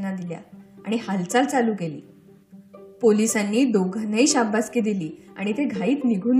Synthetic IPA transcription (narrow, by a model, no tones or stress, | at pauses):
nad̪ilja̰a̰ɽ̃ihalt͡salt͡saluːkelḭː | polisanːiːd̪oɡʱanəiːɕabbaskiːd̪iliːa̰ɽ̃it̪eɡʱaiːt̪niɡʱuːn